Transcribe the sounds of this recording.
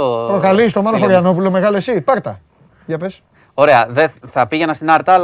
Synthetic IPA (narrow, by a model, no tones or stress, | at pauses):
pɾo̞kalist̪o̞mɐloxoɾjano̞pulo̞me̞ɣalesipɐɾt̪ɐ | ʝɐpe̞s | oɾe̞ɐðeθɐpiʝenɐst̪inɐɾt̪ɐl